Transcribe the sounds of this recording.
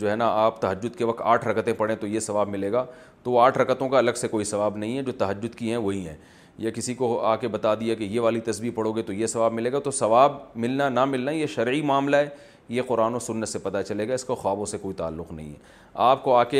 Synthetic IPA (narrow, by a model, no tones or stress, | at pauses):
d͡ʒoːɦɛnaaːpt̪ɐɦəd͡ʒːʊd̪keʋɐk̚t̪aːʈʰɾɐkət̪ẽpɐɽẽt̪ojesɐʋaːbmɪleːɡaː | t̪oʋoaːʈʰɾɐkət̪õkaɐləɡsekoːisɐʋaːbnɐɦĩɦɛd͡ʒoːt̪ɐɦəd͡ʒːʊd̪kiɦɛ̃ʋoɦiɦɛ̰̃ː | jakɪsikoaːkebɐt̪ad̪iakejeʋaːlit̪ɐsbiːpɐɽoːɡet̪ojesɐʋaːbmɪleːɡat̪osɐʋaːbmɪlnanamɪlnajeʃɐɾʕimaːmlaɦɛ | jeqʊɾaːnosʊnːət̪sepɐt̪at͡ʃɐleːɡaɪskaxaːbõsekoːit̪a̰ːlːʊqnɐ̰ɦḭ̃ɦɛ̰ | aːp̚koaːke